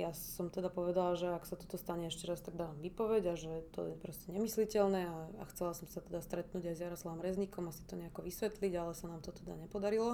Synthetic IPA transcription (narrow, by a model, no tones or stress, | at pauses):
jasɔmt̪ɛd̪apɔʋɛd̪alʒɛaksat̪ɔ̥t̪ɔst̪aɲɛɛʃcɛɾast̪aɡ̚d̪aːʋamʋipɔʋɛɟaʒɛɛt̪ɔ̰jɛpɾɔscɛɲɛmislicɛlnɛaa̰xt͡sɛlasɔmsat̪ɛd̪ast̪ɾɛt̪nuːɟajzjaɾɔslaʋɔmɾɛzɲikɔmasi̥t̪ɔɲɛakɔʋisʋɛt̪liɟalɛsanaːmt̪ɔt̪ɛd̪a̰ɲɛpɔd̪aɾilɔ